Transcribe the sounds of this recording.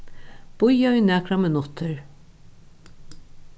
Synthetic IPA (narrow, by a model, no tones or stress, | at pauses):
b̥ʊjaiːnæːkɾamɪnʊt̪ʰəɹ